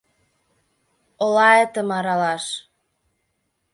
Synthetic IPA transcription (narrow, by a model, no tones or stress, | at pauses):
olɑet̪ə̆mɑɾɑlɑʃ